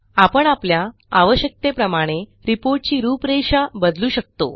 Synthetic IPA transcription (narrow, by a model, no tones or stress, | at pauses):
apəɳaplja | aʋəɕjək̚t̪epɾəmaɽ̃eɾipoɾʈ̚t͡ɕiːɾuːpɾeɕabəd̪luːɕək̚t̪o̰